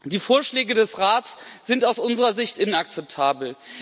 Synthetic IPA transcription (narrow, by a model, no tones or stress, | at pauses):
d̥iːfoːɐʃlɛːɡədɛsʁaːtsz̥ɪntaʊsʔʊnzəʁɐzɪçtɪnak̚t͡sɛp̚tʰaːbl̩